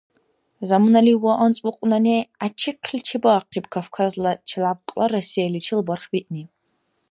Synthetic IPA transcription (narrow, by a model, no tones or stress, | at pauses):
zamɨnɐliwɔʔɐnt͡sʼʊqʷʼʊnɐneat͡ʃʰiqʰɬʲt͡ʃʰibɐːqʰibkʰafkʰazlɐt͡ʃʰilab̚qʼlɐrɐsijalit͡ʃʰilbɐrχbiʔni